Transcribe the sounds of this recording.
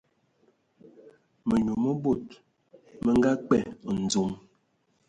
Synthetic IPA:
mə˨ɲu˨mə˦bo˦˨t̚ | mə˦ŋ˦ɡa˦k͡pɛ˦˨n̩˨d͡zu˨˦m

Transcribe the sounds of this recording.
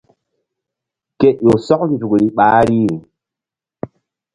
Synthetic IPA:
ke˨jo˨sɔ˦kn˨zu˨kɾi˦ɓa˨˦ɾi˦˨

